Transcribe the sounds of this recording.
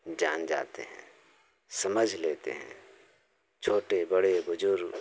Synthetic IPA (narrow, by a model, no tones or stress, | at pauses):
d͡ʒaːnd͡ʒa̰ːt̪ḛɦɛ̰̃ː | sɐməd͡ʒʱleːt̪ḛɦɛ̰̃ː | t͡ʃʰoːʈebɐɽebʊd͡ʒʊɾɡ